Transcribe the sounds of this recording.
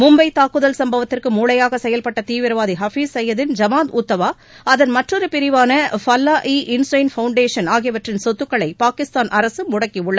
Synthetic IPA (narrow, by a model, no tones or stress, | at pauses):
mʊmbɐɪt̪aːkːɯðɐlsɐmbɐʋɐt̪ːɪrkɯmuːɭɐjaːɣɐsɛjɐlpɐʈːɐt̪iːʋɪɾɐʋaːðiɦɐfiːssɛjːɐðɪnd͡ʒɐmaːd̪ʊt̪ːɐʋaː | ɐðɐnmɐʈrɔɾɯpɪɾɪʋaːnɐfɐlːaːʔiːʔɪnsɐɪnfɐʊɳɖeːʂɐnaːɣɪjɐʋɐʈrɪnsɔt̪ːɯkːɐɭɐɪpaːkɪst̪aːnʔɐɾɐsɯmʊɽɐkːiʊɭːɐ